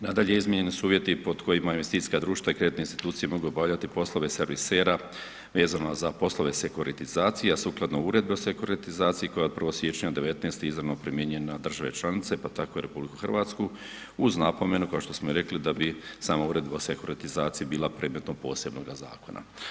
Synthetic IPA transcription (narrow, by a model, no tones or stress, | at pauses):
nad̪aʎejizmʲjeɲe̞nisuuːʋje̞t̪ipo̞d̪ko̞jimainʋest̪it̪i̥skad̪ɾuːʃt̪vaikɾe̞d̪it̪einst̪i̥t̪uːt̪sijemo̞ɡuobaʋlʎat̪ipo̞slo̞ʋe̞seɾʋiseːɾa | ʋe̞ːzanozapo̞slˠo̞ʋe̞se̞kuɾit̪izaːt̪sijeasuːklˠad̪nouːɾe̞d̪̚beosekuɾit̪izaːt̪sijiko̞jat̪̚pr̩ʋosʋjet͡ʃɲad̪e̞ʋe̞t̪nest̪eizɾanopɾimjeɲenad̪r̩ʒaʋet͡ʃlˠanit̪se̞pat̪ako̞iɾe̞publiku̥xr̩ʋaːt̪sku | uznapo̞me̞nukaoʃt̪o̞smoiɾe̞klid̪abisaːmauːɾe̞d̪bsekuɾit̪izaːt̪sijibiːlˠapɾed̪met̪no̞po̞̰ːse̞bno̞ɡaza̰ːko̞̰nʔa̰